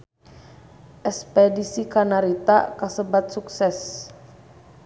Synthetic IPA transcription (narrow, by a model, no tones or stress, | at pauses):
ʔɛspɛdisikanaɾit̪a̰kasəbat̪̚suksɛs